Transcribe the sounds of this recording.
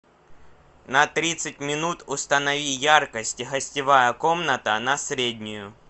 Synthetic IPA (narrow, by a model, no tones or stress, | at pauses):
nɐt̪ɾʲit̪sɨt̚ʲmʲɪnut̪ʊst̪ənɐvʲijarkəsʲtʲɣɐsʲtʲɪvajəko̞mnət̪ənɐsɾʲedʲnʲʊjʊ